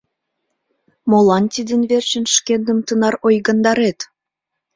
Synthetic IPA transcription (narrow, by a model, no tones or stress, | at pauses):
molɑnt̪ʲid̪ənβert͡ɕə̆nʃkend̪əmt̪ənɑrojɣənd̪ɑɾet̪